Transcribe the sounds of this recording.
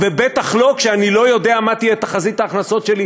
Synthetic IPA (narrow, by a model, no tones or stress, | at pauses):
vebet̪aχlo̞kʃeanilo̞jo̞d̪e̞amat̪ijɛt̪aχazit̪aːχnaso̞tʃe̞li